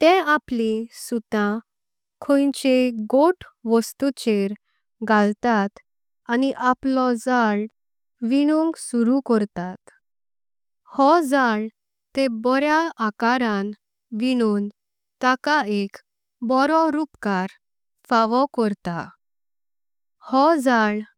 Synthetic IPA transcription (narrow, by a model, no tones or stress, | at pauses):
t̪ẽaplisut̪ã | kʰojt͡ɕeɡoʈʰʋəst̪ut͡ɕeɾ | ɡalt̪at̪ | aniʔaplɔd͡zaɭ | ʋiɽ̃ũŋɡsuɾukɔɾt̪at̪ | hɔd͡zaɭ | t̪ebɔɾjaakaɾãn | ʋiɽ̃uːn | t̪akaek | bɔɾɔɾupkaɾ | faʋɔkɔɾt̪a | hɔd͡zaɭ